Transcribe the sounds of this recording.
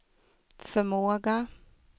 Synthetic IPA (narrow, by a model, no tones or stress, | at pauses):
fœmoːɡa